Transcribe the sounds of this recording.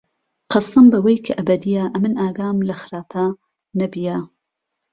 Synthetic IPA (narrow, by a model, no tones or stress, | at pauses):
qʰɑst̪ɨmbɐwɐjkʰɐʔɐbɐd̪ijaʔɐmɨnʔaːɡaːmlɐxɨɾaːpʰɐ | nɐbija